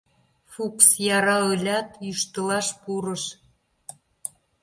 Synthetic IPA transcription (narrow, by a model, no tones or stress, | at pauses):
fuksjɑɾɑɤlʲɑt̪jyʃt̪əlɑʃpuɾə̆ʃ